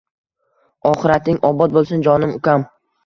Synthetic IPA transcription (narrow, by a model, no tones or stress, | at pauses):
ɒχɨɾat̪ɪŋɒbɒt̪̚bolˠsʊnd͡ʒɒnɪmʊkʲam